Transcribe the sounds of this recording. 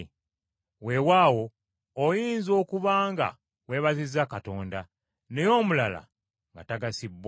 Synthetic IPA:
we̞waːwo̞ː | jiːnzo̞ːkuβaːŋɡa̰ | we̞ːβazizakato̞ːnda | ne̞jo̞ːmulala̰ | ŋɡataɡasibw

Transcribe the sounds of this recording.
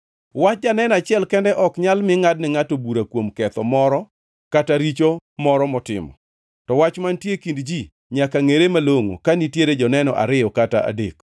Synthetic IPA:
wat͡ʃ̚d͡ʒanɛnat͡ʃɪɛlkɛndɛʔɔkɲalmɪŋadnɪŋatobuɾakwomkɛt̪ɔmɔɾɔ | kataɾit͡ʃomɔɾɔmɔtɪ̰mɔ̰ | tɔwat͡ʃmantjekindd͡ʒi | ɲakaŋeɾemaloŋo̰kanitjeɾed͡ʒɔnɛnɔ̰ʔa̰ɾɪjɔkataʔa̰dḛk

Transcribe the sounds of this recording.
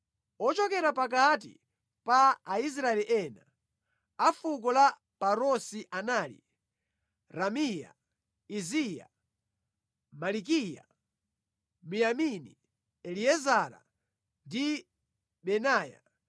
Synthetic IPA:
ɔt͡ʃɔkɛɾapak̬at̬ḭ | paːis̬ɾaɛliʔɛna | afuk̬ɔla | paɾɔsiʔanaːlḭ | ɾamija̰ | izija̰ | malik̬ija̰ | mijamini | ɛliɛzaɾa̰ | ndi | ɓɛnaːja̰

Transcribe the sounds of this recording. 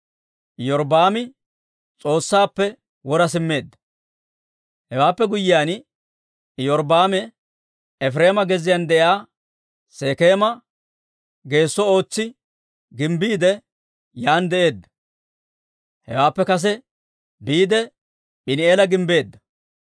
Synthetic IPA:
ʔjɔɾbaːmɪ | t͡sʼo̞ːsːaːpːɛ | wɔɾɐsɪmːe̞ːd̪ːɐ̥ | hɛwaːpːɛɡʊjːɪjaːn | jɔɾbaːmɛ | ɛfɾe̞ːmɐɡɛzɪjɐnd̪ɛʔjaː | seːke̞ːmɐ | ɡe̞ːsːɔo̞ːt͡sːɪ | ɡɪmbiːd̪ɛ | jaːnd̪ɛʔe̞ːd̪ːɐ̥ | hɛ̰waːpːɛkɐs̬ɛ | biːd̪ɛ | ɓɪnɪeːlɐɡɪmbe̞ːd̪ːɐ̥

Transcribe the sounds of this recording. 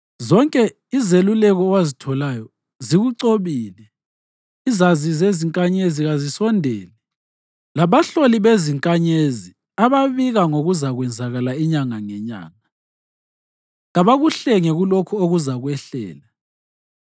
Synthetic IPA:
zɔŋkʼɛ | izelulɛɣɔwazitʰɔlajɔ | ziɣuǀoβiːlɛ | izazizeziŋkʼaɲeziɣazisɔndʱɛːlɛ | laβaɬoliβeziŋkʼaɲezi | aβaβiɣaŋoɣuzaɣwɛnd͡zʱaɣalaiɲaŋaŋɛɲa̰ːŋa | ɣaβaɣuɬɛŋɛɣulokʰuoɣuzaɣwɛɬɛ̰ːla

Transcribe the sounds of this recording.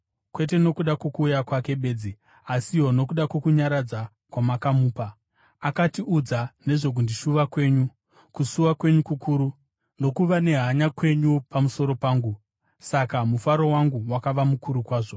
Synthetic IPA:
kwe̞t̬e̞no̞kuɗako̞kuːjakwake̞ɓe̞d͡zi | asiɦo̞no̞kuɗako̞kuɲaɾad͡za | kwamakamuːpa | akatiʔud͡zane̞ʐo̞k̬undiʃuʋakwe̞ːɲu | kusuwakwe̞ɲukukuːɾu | no̞kuʋane̞ɦaɲakwe̞ɲupamuso̞ɾo̞paːŋɡu | sakamufaɾowaŋɡuwakaʋamukuɾukwaːʐo̞

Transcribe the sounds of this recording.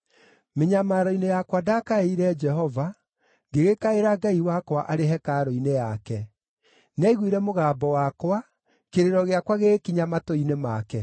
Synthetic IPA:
meɲamaɾoinejakwadakaeiɾɛd͡ʒɛɦɔva | ŋɡeɣekaeɾaɡaiwakwaʔaɾeɦɛkaɾoinejakɛ | nɛiɣwiɾɛmoɣaːbɔwakwa | keɾeɾɔɣeakwaɣekiɲamatoinemakɛ

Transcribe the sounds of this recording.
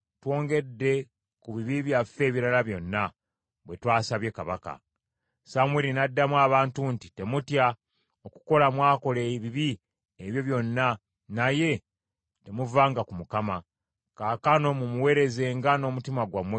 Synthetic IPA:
two̞ːŋɡe̞dːe̞ | kuβiβiβjafe̞ːβiɾalaβjo̞nːa | βwe̞twaːsaβje̞kaβa̰ka̰ | samweɾinadːamwaːβaːntunti̥te̞mutja | oku̥ko̞lamwaːko̞leβiβi | eβjo̞βjo̞nːa | naje̞ | te̞muvaːŋɡakumukama | kakano̞mumuwe̞ːɾe̞ze̞ːŋɡano̞mutimaɡwamwe

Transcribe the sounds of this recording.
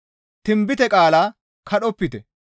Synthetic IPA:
t̪ɪmbɪt̪ɛkʼaːlaː | kʰɐɗɔpːɪt̪ɛ

